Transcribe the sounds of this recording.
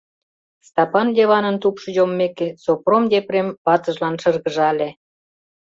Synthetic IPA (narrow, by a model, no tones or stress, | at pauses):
st̪ɑpɑnd̪ʲeβɑnənt̪upʃɤ̆jomːekesopromd̪ʲeprempɑt̪əʒlɑnʃə̆rɣəʒɑlʲe